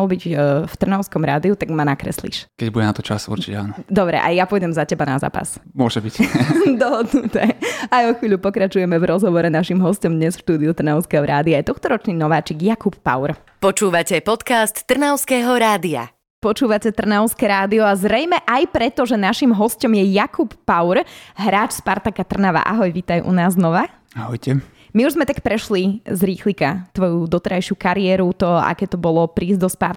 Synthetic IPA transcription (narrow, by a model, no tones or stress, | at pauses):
lbiɟft̪r̩nɔʊskɔmɾaːd̪iut̪aɡmanakɾɛ̰slḭʃkɛɟbudɟɛnat̪ɔt͡ʃa̰sṵɾt͡ʃicɛaːnɔd̪ɔbɾɛ̰ʔa̰japɔjɟɛmzacɛbana̰za̰ːpa̰smʊɔʒɛbicd̪ɔɦɔd̪nut̪ɛajɔxʋiːʎʲupɔkɾat͡ʃujɛmɛvɾɔzɦɔʋɔɾɛnaʃimɦɔscɔmd̪ɲɛsfʃt̪uːd̪iut̪r̩nɔʊskɛɦɔɾʔaːd̪iajɛt̪ɔxt̪ɔɾɔt͡ʃniːnɔʋaːt͡ʃiːɡjakupːa̰ʊɾ | pɔt͡ʃuːʋacɛpɔt̪kast̪ːr̩naʊskɛːɦɔɾaːd̪ia̰ | pɔt͡ʃuːʋacɛt̪r̩naʊskɛːɾaːd̪iɔazɾɛjmɛʔajpɾɛt̪ɔʒɛnaʃimɦɔscɔmjɛjakupːaʊɾɦɾaːt͡ʃspaɾt̪akat̪r̩naʋa̰ʔa̰ɦɔjʋit̪ajʔṵnaːznɔʋa | aɦɔjcɛ | miuʒzmɛt̪akpɾɛʃlizɾiːxlikat̪ʋɔjud̪ɔt̪ɛɾajʃɪukaɾiɛːɾut̪ɔa̰kɛːt̪ɔbɔlˠɔpɾiːzd̪ɔspa̰ɾt̪